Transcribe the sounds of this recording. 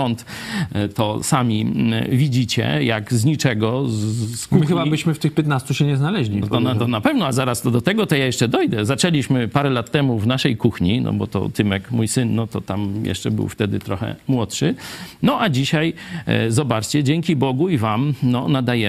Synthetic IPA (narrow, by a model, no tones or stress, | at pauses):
ɔnt̪t̪ɔsamʲivʲid͡ʑit͡ɕɛ̰jaɡzɲit͡ʂɛɡɔ | kuxbabɘɕmɘft̪ɘxpʲjɛt̪nast̪uɕɛɲɛznalɛʑlʲiɔnt̪ɔnapɛvnɔazaɾast̪ɔd̪ɔt̪ɛɡɔt̪ɔjajɛʂt͡ʂɛd̪ɔjd̪ɛzat͡ʂɛlʲiɕmɘpaɾɛlat̪ːɛmuvnaʂɛjkuxɲinɔ̰bɔ̰t̪ɔ̰t̪ɘmɛkmujsɘnːɔt̪ɔt̪amjɛ̰ʂt͡ʂɛbɘ̰wft̪ɛd̪ɘ̰t̪ɾɔxɛ̰mwɔtʂɘnɔʔad͡ʑiɕajzɔbat͡ʂt͡ɕɛd͡ʑɛŋkʲibɔɡuivamnɔnad̪ajɛ